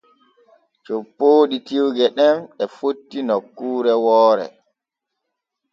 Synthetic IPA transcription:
t͡ʃopːoːɗitiwɡɛɗɛnɛfotːinɔkːuːɾɛwɔːɾɛ̰

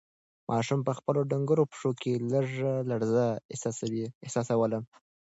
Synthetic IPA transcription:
mʔɑʃumpəxpəloɖaŋɡəɾopʂokeləʐalaɽzassawiɪhsɑsawələm

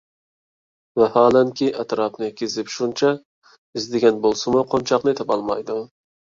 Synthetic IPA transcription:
vɛhɑːlɛŋkʲʰiʔæt̪ɾɑpnɪkʲːɪzɪpʃunt͡ʃʰɛ | ɪzd̪ɪɡʲɛnbolˠsɪmʊqʰont͡ʃʰɑqnɨet̪ɪpɑlˠmɑ̰jd̪ʊ

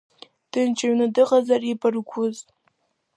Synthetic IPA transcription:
d̥ɨnt͡ʃʰaɥnɨdɨʁazaripʰarkʷʰʊz

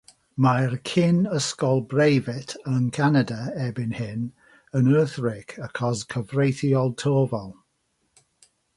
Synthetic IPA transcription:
majrkʰɪnəskɔlˠbrejvɪtʰənkʰanadəɛbɪnhɪn | ənɜːθɹɪkʰəkʰɔskʰəvrejθiɔlˠtʰoːvɔlˠ

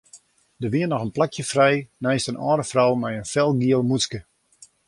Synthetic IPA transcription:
dəʋiənɔxənplakʰjəfrɛjnɛjstənʔɔːɾəfrɔwmɛjənfɛlˠɡiəlˠmuskə

